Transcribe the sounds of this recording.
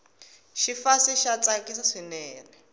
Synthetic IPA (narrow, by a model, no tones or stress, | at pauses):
ʃifasiʃat͡sʼakʼisaʂinɛːlɛ